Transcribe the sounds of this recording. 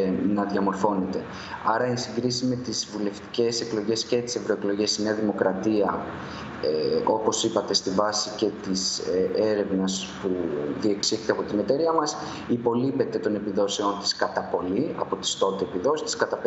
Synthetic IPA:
nɐðʝɐmo̞ɾfo̞ne̞t̪e̞ | ɐɾɐensiŋɡɾisime̞t̪izvule̞ft̪i̥ce̞se̞klo̞ʝe̞scet̪i̥se̞vɾo̞eklo̞ʝe̞sineɐðimo̞kɾɐt̪iɐ | o̞po̞sipɐt̪e̞st̪ivɐsice̞t̪ise̞ɾe̞vnɐs | puðie̞ksieθt̪eɐpo̞t̪ine̞t̪e̞ɾiɐmɐs | ipo̞lipe̞t̪e̞t̪o̞ne̞piðo̞se̞ont̪i̥skɐt̪ɐpo̞liɐ̰po̞t̪i̥st̪o̞t̪eepiðo̞sist̪i̥skɐt̪ɐp

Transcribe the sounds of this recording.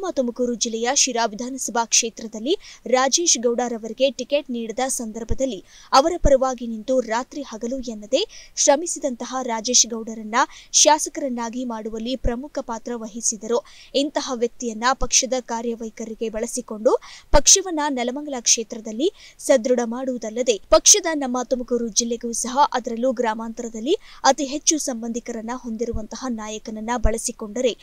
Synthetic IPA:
maːt̪omɐkuːɾud͡ʒilːɛjɐʃiɾaːʋid̪ʱaːnɐsɐbʱaːkʂeːt̪ɾɐd̪ɐlːiɾaːd͡ʒe̞ːʃɡɐwɖaːɾɐʋɐɾiɡe̞ʈikeːʈniːɽid̪ɐsɐnd̪ɐɾbʱɐd̪ɐlːi | ɐʋɐɾɐpɐɾɐʋaːɡinint̪uɾaːt̪ɾihɐɡɐlujɛnːɐd̪e̞ʃɾɐmisid̪ɐnt̪ɐɦɐɾaːd͡ʒe̞ːʃɡɐwɽɐɾɐnːɐʃaːsɐkɐɾɐnːaːɡimaːɽuʋɐlːipɾɐmukʰɐpaːt̪ɾɐʋɐɦisid̪ɐɾuint̪ɐɦɐʋjɐk̚t̪ijɐnːɐpɐkʂɐd̪ɐkaːɾjɐʋɐjkɐɾiɡe̞bɐɭɐsiko̞ɳɖupɐkʂɐʋɐnːɐnɐlɐmɐŋɡɐɭɐkʂeːt̪ɾɐd̪ɐlːisɐd̪ɾuɽɐmaːɽuʋud̪ɐlːɐd̪e̞pɐkʂɐd̪ɐnɐmːaːt̪omɐkɐɾud͡ʒilːeɡɐjusɐɦɐʔɐd̪ɐɾɐlːuɡɾaːmaːnt̪ɐɾɐd̪ɐlːiɐt̪iɦe̞t͡ʃːusɐmbɐnd̪ʱikɐɾɐnːɐɦo̞nd̪iɾuʋɐnt̪ɐɦɐnaːjɐkɐnɐnːɐbɐɭɐsiko̞ɳɖɐɾe̞

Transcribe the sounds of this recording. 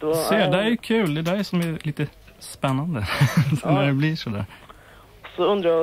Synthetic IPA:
seːd̪ɛæɾjʊkʰʉːld̪ɛd̪æɪsɔmæliːt̪ə | spɛnːɑnd̪əsɔnæd̪ɛbliːʂɔd̪ɛ̰ | sɔʉnd̪ɾə

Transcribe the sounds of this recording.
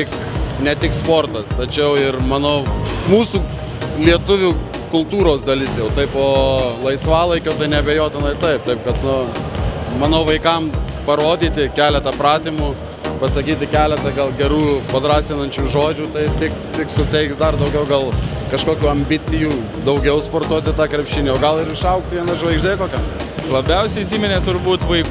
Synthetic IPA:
t̪ʲɪknʲɛt̪ʲɪkspoːrt̪ɐst̪ɐt͡ʃʲɛʊɪrmɑːnoːmuːsuː | lʲiɛt̪ʊʋʲu | kʊlˠt̪uːɾoːsd̪ɐlʲɪsjɛʊt̪ɐɪpoːlˠɐɪsʋɑːlˠɐɪkʲoːt̪ɐɪnʲɛɐbʲeːjoːt̪ʲɪnɐɪt̪ɐɪp̚t̪ɐɪpkɐt̪nʊ | mɑːnoːʋɐɪkɐmpɐɾoːd̪ʲiːt̪ʲɪkʲæːlʲɛt̪ɐpɾɑːt̪ʲiːmʊ | pɐsɐkʲiːt̪ʲɪkʲæːlʲɛt̪ɐɡɐlˠɡʲɛɾuːpɐd̪ɾɑːsʲɪnɐnʲt͡ʃʲuːʒoːd͡ʒʲuːt̪ɐɪt̪ʲɪkt̪ʲɪksʊt̪ʲɛɪksd̪ɐrd̪ɐʊɡʲɛʊɡɐlˠ | kɐʃkoːkʲuːɐmʲbʲɪt͡s̪ʲɪjuː | d̪ɐʊɡʲɛʊspoːrt̪uɔt̪ʲɪt̪ɑːkɾʲɛpʲʃʲɪnʲeːoːɡɐlˠɪɾɪʃɐʊksʋʲiɛnɐʒʋɐɪɡʒʲd̪ʲeːkoːkʲɛm | lˠɐbʲɛʊsʲɛɪisʲiːmʲɛnʲeːt̪ʊɾbuːt̪ʋɐɪkː

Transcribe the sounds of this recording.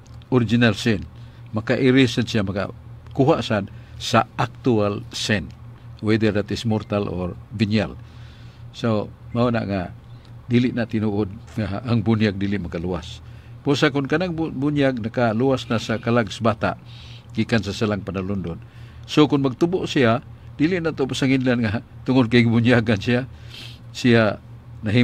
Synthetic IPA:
oɾid͡ʒinalsin | makaʔiɾisənsiamaka̰kuɦaʔsad̪saak̚t̪ualsɛnwɛd̪ɛrdat̪ismort̪alʔorvinja̰l | somaona̰ʔŋa | diliʔnaʔt̪inuʔʊd̪̚ŋaːŋbunjaɡ̚diliʔmakalua̰s | pusakʊnkanaŋbunjaɡ̚nakaluasnasakalaɡsabat̪a̰ʔ | ɡ̥ikansasalaŋpanalundʊn | sokʊnmaɡ̚t̪uboʔsiad̥iliʔnat̪opasaŋinlanŋat̪ʊŋʊd̚kajɡabuɲiaɡansia | sia | naɦi

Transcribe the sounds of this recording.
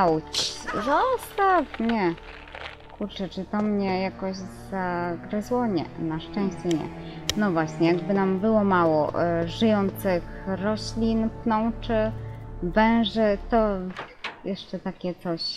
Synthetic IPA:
wt͡ɕzɔstafmɲɛ | kuɾt͡ʂɛt͡ʂɘt̪ɔmɲɛjakɔɕz̥aɡɾɛzwɔɲɛ̰naʂt͡ʂɛ̃w̃ɕt͡ɕɛɲɛ̰nɔvwaɕɲɛjaɡbɘnambɘwɔmawɔ̰ʔʐɨjɔnt̪sɘxɾɔɕlʲinpnɔ̃w̃t͡ʂɘvɛ̃ʐɘt̪ɔ | jɛʂt͡ʂɛt̪akʲɛt̪sɔɕ

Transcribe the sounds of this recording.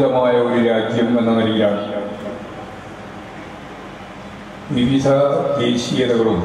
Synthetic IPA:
d̪ɐmaːjɐo̞ɾuɾaːd͡ʑjɐme̞nːɐnɐɾikiaːn | ʋiʋid̪ʱɐd̪eːɕijɐd̪ɐɣɐɭum

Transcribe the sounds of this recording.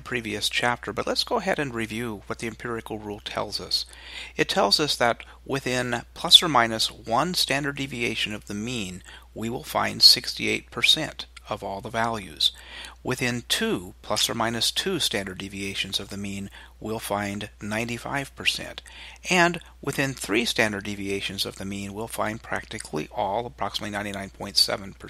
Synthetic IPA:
əpʰɹ̥iviɨst͡ʃʰæp̚tʰə˞bʌtˡlətsɡ̥oʊəɦɛɾɨ̃nɹivjʉwʌt̪̚ðiɨ̃mpʰɪɹɨkl̩ˠɹulˠtʰɛ̰lˠzʌs | ɨtʰɛlˠzʌsðɨt̚ | wɪθɪ̃npʰl̥ʌsə˞mãɪ̃nɨswʌ̃nstæ̃ndə˞divieɪʃɨ̃nʌvðɨmĩn | wiwɪlˠfã̰ɪ̃nd̥sɪkstieɪt̚pʰə˞sɛ̰̃ntʌvɔlˠðəvælˠjʉ̰z̥wʔɪθɪ̃ntʰʉpʰl̥ʌsə˞mãɪ̃nɨstʰʉstæ̃ndə˞divieɪʃɨ̃n̩zʌvðɨmĩn | wilˠfãɪ̃nnãɪ̃ntifa̰ɪv̥pʰə˞sɛ̰̃ntʔɨ̃n | wʔɨθɪ̃nθɹistæ̃ndə˞divieɪʃɨ̃n̩zʌvðɨmĩnwilˠfã̰ɪ̃npʰɹ̥æ̰k̚tɨkʰlḭʔɔlˠəpʰɹ̥ɑksəmətˡlinãɪ̃ntinãɪ̃npʰɔ̃ɪ̃ntsɛ̰ṽn̩pʰə˞

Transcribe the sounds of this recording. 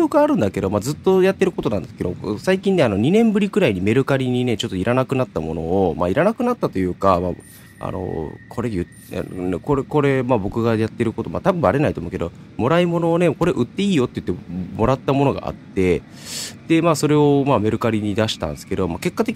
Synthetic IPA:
okɯaːɾɯ̟̃nd̪ake̞d̪o̞mad͡zzɨt̪ːo̞jat̪ːe̞ɾɯ̟ko̞t̪o̞nãnd̪eske̞d̪o̞saikʲĩnːe̞ano̞ɲ̟inẽ̞mbɯ̟ɾʲikɯ̟ɾaiɲ̟ime̞ɾɯ̟kaɾʲiɲ̟ine̞t͡ɕo̞t̪ːoiɾʔanakɯ̟nat̪ːamo̞no̞̰ːma̰iɾanakɯ̟nat̪ːat̪o̞jɯ̟ːkama̰ː | a̰no̞̰kʰo̞ɾejɯ̟t | nkoɾeko̞ɾe̞mabo̞kɯ̟ɡajat̪ːe̞ɾɯ̟ko̞t̪o̞ma̰t̪abɯ̟̃aɾe̞nait̪omo̟ke̞d̪o̞̰ | mo̞ɾaimo̞no̞ːne̞ko̞ɾe̞ʔɯ̟t̪ːe̞iːjo̞t̪ːeiɯ̟t̪ːemo̞ɾat̪ːamo̞no̞ɡa̰ʔa̰t̪ːe̞ | d̪̥e̞maːso̞ɾe̞o̞mame̞ɾɯ̟kaɾʲiɲ̟id̪aɕi̥t̪ã̰nd̪esɨ̥ke̞d̪o̞make̞kːat̪e̞kʲ

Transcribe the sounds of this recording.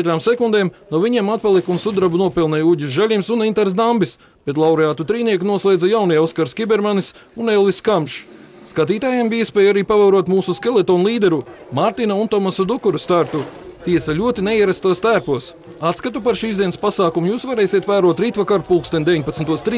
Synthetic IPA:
ɛt̪ɾaːmsekund̪ɛːmnuɔviɲeɛmat̪̚palˠikunsud̪ɾabunuɔpɛlˠnɛjuɟʲizʒælʲimsunint̪aɾsd̪ambis | b̥et̪lˠawɾeaːt̪ut̪ɾiːniɛknuɔslˠeːd̪zajawnijɔskaɾskʲibɛɾmanis | unelˠviskamʃ | skat̪̬iːt̪aːjambiiɛspʲɛːjuaɾiːpavawɾuɔt̪muːsuskelˠet̪ɔːnlˠiːd̪ɛɾu | maɾt̪inaunt̪ɔmasud̪ukuɾust̪aɾt̪ut̪iɛsaʎʲuɔt̪ineiɛɾast̪uɔst̪æːpuɔs | at̪skat̪upaɾʃiːzd̪iɛnspasaːkumujuːsvaɾɛːjsiɛt̪ʋæːɾuɔt̪ɾiːt̪vakaɾfulˠkst̪ɛnd̪eʋiɲʲpat̪snt̪uɔst̪ɾiː

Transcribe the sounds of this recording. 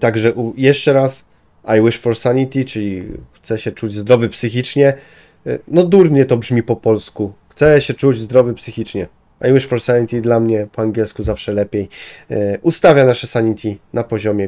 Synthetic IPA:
t̪aɡʐɛʔujɛʂt͡ʂɛɾas | ajwɘʂfɔɾsaɲit̪ʲit͡ʂɘlʲixt̪sɛɕɛt͡ʂud͡ʑzd̪ɾɔvɘpsɘxʲit͡ʂɲɛ | nɔd̪uɾmɲɛt̪ɔbʐmʲipɔpɔlskuxt̪sɛɕɛt͡ʂud͡ʑzd̪ɾɔvɘpsɘxʲit͡ʂɲɛ | a̰jwɛʂfɔɾsaɲʲit̪ʲid̪lamɲɛpɔaŋɡʲjɛlskuzafʂɛlɛpʲjej | ʔust̪avʲjanaʂɛsaɲit̪ʲinapɔʑɔmʲjɛ

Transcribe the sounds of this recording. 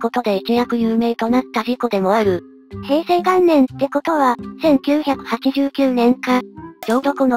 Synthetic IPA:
ko̞t̪o̞d̪e̞it͡ɕijakɯ̟jɯ̟ːme̞ːt̪o̞nat̪ːaʑikod̪e̞mo̞aɾɯ̟ | he̞ːse̞ːɡãnːẽ̞nt̪ːe̞ko̞t̪o̞βasẽ̞ŋkʲɨːçakɯ̟̥hat͡ɕiʑɨːkʲɨːnẽ̞ŋkad͡ʑo̞ːɾo̞kɯ̟no

